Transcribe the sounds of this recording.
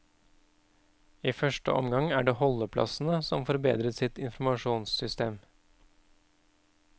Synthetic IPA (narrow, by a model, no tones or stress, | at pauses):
iːfœʂʈə̰ɔ̰mɡɑŋæːɖeːhɔləpʰlʔɑ̰sn̩əsɔmfɔɾbḛːd̪ɾət̪sɪt̪ɪnfmɑʃuːnssʏst̪eːm